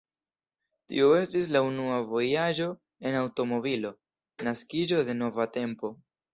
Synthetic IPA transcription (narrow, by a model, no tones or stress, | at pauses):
tḭoe̞stis̬launuavo̞jad͡ʒo̞ | e̞nawto̞mo̞βilo̞ | naskid͡ʒo̞de̞no̞vate̞mpo̞